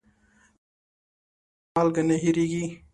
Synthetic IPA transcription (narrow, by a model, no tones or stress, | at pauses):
alɡɐneɦiɾiɡi